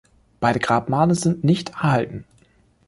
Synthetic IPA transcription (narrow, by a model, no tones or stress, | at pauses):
b̥aɪɾəɡ̥ʁaːpmaːləzɪntnɪçtɛɐhaltn̩